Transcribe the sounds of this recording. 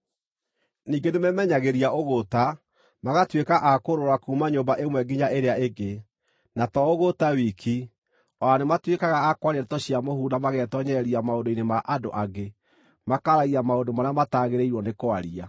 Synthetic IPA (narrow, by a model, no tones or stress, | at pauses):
niːɡenemɛmɛɲaɣeɾiaoɣota | maɣatwekaʔakoɾoɾakuːmaɲoːmbaʔemwɛɡiɲaeɾeaeɡe | natɔoɣotawikʰi | ɔanematwekaɣaːkwaɾeɾetɔɕiamohuːnamaɣɛtɔɲɛɾiamaodoinemaʔado̰ʔaɡe | makaɾaiɾamaodomaɾeamataɣeɾeiɾwɔnekoaɾia